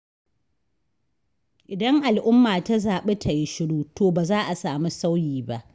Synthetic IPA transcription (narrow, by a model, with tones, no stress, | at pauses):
ʔɪ˨dɐ˦ŋʔa˨lʔʊ˦mːaː˨ta˦zaː˨ɓe˦tʰa˨ji˦ʃɪ˦ɽuː˦toː˨baː˨zaː˦ʔa˨saː˨mi˦sa˦wjiː˨ba˦ʔ